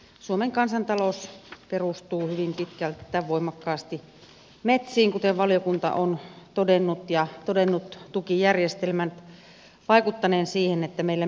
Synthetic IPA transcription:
suomeŋkɑnsɑnt̪ɑlosperust̪uːhyʋimpit̪kælt̪ːæʋoimˑɑkːɑːst̪i | met̪siːŋkut̪eʋʋɑljokunt̪ɑ̰ʔont̪odenːut̪jɑt̪odenːut̪t̪ukijærjest̪elmænt̪ | ʋɑˑikut̪ːɑneːnsiːhenet̪ːæmeilːæ

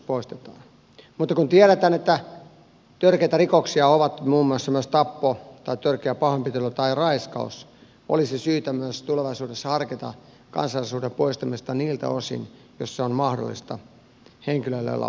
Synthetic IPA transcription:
poist̪e̥t̪ɑ̰ːn | mut̪ːɑkunt̪iɛɾet̪æːnet̪ːæ | t̪ørkeit̪ærikoksiɑoʋɑt̪muːmːuɑsːɑmyøst̪ɑpːot̪ɑit̪ørkeæpɑhompit̪elːot̪ɑirɑiskɑ̰us | ʔo̰lisisyːt̪æmyøst̪uleʋɑisuːdesːɑhɑrket̪ɑ̰ | kɑ̰nsɑlːisuːdempoist̪ɑmist̪ɑniːlt̪æ̰osḭn | josseonmɑhdo̰lːḭst̪ɑ̰ | heŋkiløilːḛlːɑ̰

